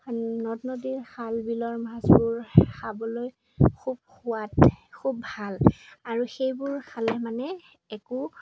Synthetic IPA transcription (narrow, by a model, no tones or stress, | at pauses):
nɔtnɔdiɹxʰalbilɔɹmasbʊɹxabɔloj | kʰub̚xuwatkʰubːʱalaɹuxejbʊɹkʰalɛmanɛ | ɛku